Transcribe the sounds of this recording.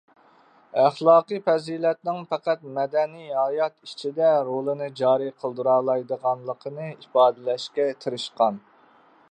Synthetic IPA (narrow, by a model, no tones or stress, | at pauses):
æχlˠɑːqɨfɛzilɛt̪̚nɪŋpɛqæt̪̚mɛd̪ɛnijɦɑjɑt̪it͡ʃʰid̪ɛɾolˠɨnɨd͡ʒɑːɾiqʰəlˠd̪ɨɾɑːlˠɑjd̪əʁɑnlˠəqʰənɨipɑːd̪ɨlɛʃkʲɛt̪ʰɨɾɨʃqɑn